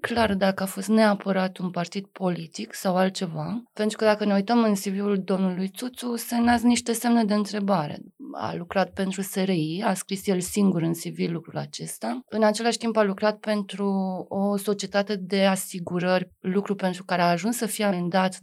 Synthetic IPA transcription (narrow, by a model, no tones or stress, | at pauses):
klard̪akəafo̞st̪ne̞apəɾat̪unpart̪id̪̥̚po̞lit̪iksawalt̪̚t͡ʃe̞vapent̪ɾukəd̪akəne̞ujt̪əmɨnsiviuld̪o̞mnulujt̪sut̪susemnazniʃt̪e̞se̞mne̞d̪e̞ɨnt̪ɾe̞baɾe̞̰a̰lukɾat̪̚pe̞nt̪ɾuse̞ɾeiaskɾisjelsiŋɡuɾɨnsivilukɾula̰t͡ʃe̞st̪aɨnat͡ʃe̞laʃt̪imbalukɾat̪̚pe̞nt̪ɾuoso̞t͡ʃiet̪at̪e̞d̪e̞asiɡuɾərʲlukɾupe̞nt̪ɾukaɾeaːʒunsːəfijeand̪at̪